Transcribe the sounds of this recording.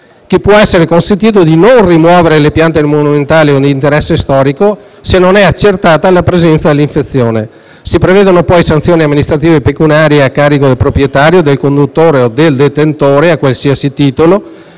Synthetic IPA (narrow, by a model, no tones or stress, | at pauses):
kipːwɔɛsːeɾekonsent̪iːt̪̬od̪inonrimwɔːveɾelepjant̪emonument̪aːliod̪elint̪eɾɛsːest̪ɔːɾiko | senːonɛat͡ʃːert̪aːt̪alapɾezɛnt̪sad̪elːiɱfet̪sːjoːne | sipɾeveːd̪onopɔjsant̪sjoːniamːinist̪ɾat̪iːvepekunaːɾjeakːaːɾikod̪elpɾopɾjet̪aːɾjod̪elkond̪ut̪ːoːɾeod̪eld̪et̪ent̪oːɾeakwalsiasit̪iːt̪olo